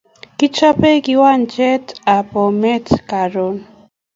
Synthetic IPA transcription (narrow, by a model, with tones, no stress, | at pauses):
ki˦t͡ʃɔ˦pɛ˦ki˦wa˦nd͡ʒɛ˦ta˨pɔ˨mɛ˦tka˨ɾo˨n